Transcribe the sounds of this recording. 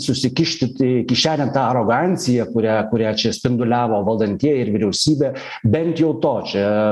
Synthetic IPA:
sʊsʲɪkʲɪʃʲt̪ʲɪt̪ʲɪkʲɪʃʲæːlʲɛnt̪ɑːɐɾoːɡɑːnʲt̪sʲɪjɛkʊɾʲæːkʊɾʲæːt͡ʃʲɛsʲpʲɪnd̪ʊlʲæːʋoːʋɐlˠd̪ɐnʲt̪ʲiɛjɪɾʋʲɪɾʲɛʊsʲiːbʲeː | bʲɛnt̪jɛʊt̪oːt͡ʃʲɛ

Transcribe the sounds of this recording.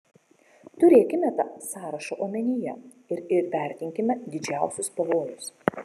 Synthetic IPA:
t̪ʊɾʲeːkʲɪmʲɛt̪ɑsɑːɾɐʃoːʔoːmʲɛnʲɪjɛ | ɪɾɪɾpʲæˑɾʲt̪ʲɪŋʲkʲɪmʲɛd̪ʲɪd͡ʒʲæˑʊsʲʊspɐʋoːjʊs

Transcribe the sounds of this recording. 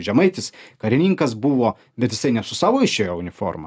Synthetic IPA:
ʒʲɛmɐɪt̪ʲɪskɐɾʲɪnʲiːŋkɐsbuʋoː | bʲɛt̪jɪsɐɪnʲɛsʊsɑːʋoːɪʃʲeːjoːʊnʲɪfo̰rmɐ̰

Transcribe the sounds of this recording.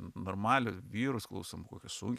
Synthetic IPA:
noːrmɑːlʲʊʋʲiːɾʊsklˠɐ̰ʊsʲomʊkoːkʲɛssʊŋʲkʲ

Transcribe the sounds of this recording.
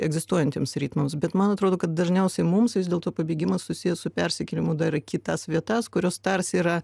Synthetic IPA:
ɛɡzʲɪst̪uɔjɛnʲt̪ʲeːmsɾʲiːt̪mɐmsbʲɛt̪mɐnɐt̪ɾoːd̪oːkɐt̪̚d̪ɐʒʲnʲɛʊsʲɛɪmʊmsʋʲɪzdʲeːlˠt̪oːpɐbʲiːɡʲɪmɐssʊsʲɪjɛsʊpʲɛɾʲsʲɛkʲɛlʲɪmʊd̪ɐrkʲɪt̪ɑsʋʲiɛt̪ɑskʊɾʲoːst̪ɐrsiːɾɐ

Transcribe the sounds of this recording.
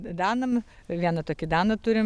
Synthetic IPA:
d̪ɑːnɐm | ʋʲiɛnɐt̪oːkʲɪd̪ɑːnɐt̪ʊɾʲɪm

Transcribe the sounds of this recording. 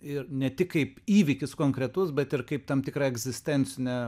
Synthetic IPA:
ɪrnʲɛt̪ʲɪkkɐɪpiːʋʲɪkʲɪskoːŋkɾʲɛt̪ʊsbʲɛt̪ɪrkɐɪp̚t̪ɐmt̪ʲɪkɾɑːɛɡzʲɪsʲt̪ʲɛnʲt͡ssʲɪnʲɛ

